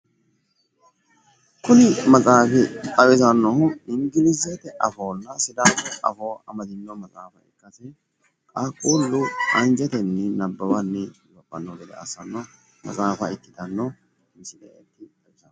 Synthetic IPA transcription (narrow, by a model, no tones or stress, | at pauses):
kʊnɪmɐt͡sʼaːfɪtʼɐwɪzɐnːɔhɪŋɡɪlɪzɛt̪ɛʔɐfoːnːɐsɪd̪aʔɐ̰foːɐ̰mɐt̪ɪnːɔmɐt͡sʼaːfɐɪ̰kːɐsɛ | kʼakʼuːlːʊɐnd͡ʒɛt̪ɛnːɛnɐbːɐbɐnːɛzɔpʼːɐnːoɡɛd̪ɛ̰ɐ̰sɐnːɔ | mɐ̰t͡sʼaːfɐɪkːɪd̪ɐnːɔ | mɪsɪd̪ɛ̰t̪ːɪɐwɪzɐn